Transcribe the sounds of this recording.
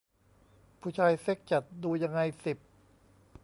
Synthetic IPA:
pʰuː˧˩t͡ɕʰaː˧jse˦˥˩k̚t͡ɕa˨˩t̪̚duː˧ja˧ŋːa˧jsi˨˩p̚

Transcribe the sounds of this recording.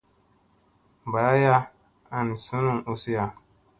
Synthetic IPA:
ba˨˦a˦ja˦ | a˦˨ni˨su˦nũ˦˨ʔo˦si˦ja˦˧

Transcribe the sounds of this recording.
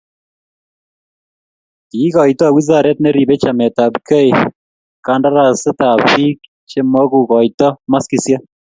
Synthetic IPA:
kiː˨˦kɔ˨itɔ˦˨wi˦za˨ɾɛ˦t̚nɛ˦ɾi˨bɛ˦t͡ʃa˨mɛ˨ta˨pkɛ˦j | ka˦nda˦ɾa˨sɪ˦ta˨pi˦k̚ | t͡ʃe˦mɔ˦ku˨kɔ˨jtɔ˦ma˦ski˨sja˦

